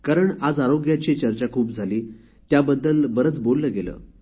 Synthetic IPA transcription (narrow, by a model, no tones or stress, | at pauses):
kaɾəɳad͡zaɾoɡjat͡ɕit͡ɕəɾt͡ɕakʰuːpd͡zʱaliː | t̪jabəd̪ːəlbəɾət͡sbolːəːɡelə̰ː